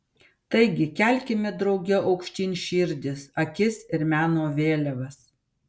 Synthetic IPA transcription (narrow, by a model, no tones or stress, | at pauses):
t̪ɐɪɡʲɪkʲæˑlʲkʲɪmʲɛd̪ɾɒʊɡʲɛʔɐʊkʃʲt̪ʲiːnʲʃʲɪːɾʲd̪ʲɪsɐkʲɪsɪɾmʲæːnoːʋʲeːlʲɛʋɐs